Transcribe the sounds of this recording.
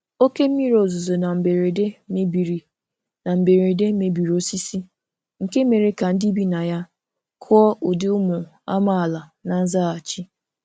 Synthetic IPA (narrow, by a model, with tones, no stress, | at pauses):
o˦ke˦m̩˦i˦ɾo˨zʊ˨zo˨na˨m̩˨be˨ɾe˨de˦me˦bi˨ɾ | na˨m̩˨be˨ɾe˨de˦me˨bi˨ɾo˦si˦si˦ | ŋ̩˨ke˦me˨ɾe˦ka˨n̩˦di˦bi˦na˨ja˦ | kʰɔ˦ʔʊ˨dɪ˦ʊ˦mʊ˨ | a̰˦ma˦a˨la˨na˨n̩˦za˦a˨t͡ʃi˦